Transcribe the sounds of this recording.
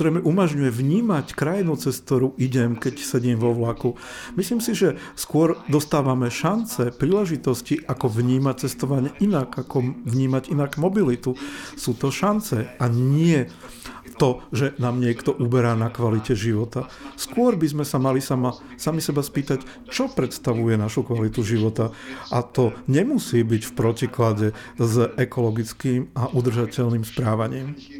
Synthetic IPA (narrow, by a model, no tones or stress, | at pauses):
ɾɛmɛʔumaʒɲujɛʋɲiːmackɾajinut͡sɛst̪t̪ːɔɾuʔiɟɛmkɛcsɛɟiːmʋɔʋlaku | misliːmsiʒɛ | skʊɔɾd̪ɔst̪aːʋamɛʃant͡sɛpɾiːlɛʒit̪ɔsciʔakɔʋɲiːmat͡sɛst̪ɔʋaɲɪɛʔinaɡakɔʋɲiːmaɟinaɡmɔbilit̪usuːt̪ɔʃant͡sɛaɲɪɛ | t̪ɔʒɛnaːmɲɪɛkt̪ɔʔubɛɾaːnakʋalicɛʒiʋɔt̪a | skʊɔɾbizmɛsamalisama | samisɛbaspiːt̪ac | t͡ʃɔpɾɛt̪st̪aʋujɛnaʃukʋalit̪uʒiʋɔt̪aat̪ɔɲɛmusiːbicfpɾɔciklaɟɛ | zɛkɔlɔɡit͡skiːmaʔud̪r̩ʒacɛʎnimspɾaːʋaɲɪːm